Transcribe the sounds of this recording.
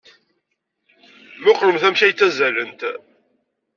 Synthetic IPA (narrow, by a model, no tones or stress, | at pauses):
mʊqləmθæmʃæjt͡sːæzælːənt̪